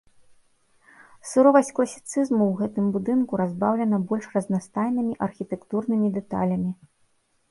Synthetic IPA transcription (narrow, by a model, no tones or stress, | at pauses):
suɾɔvɐsʲt͡sʲklˠɐsʲi̥t̪sɨzmuwɣɛt̪ɨmbud̪ɨnkuɾazbawlʲɛnɐbɔlʲʂrɐznast̪ajnɨmʲiʔɐrxʲit̪ɛkt̪urnɨmʲid̪ɛt̪a̰lʲɐmʲi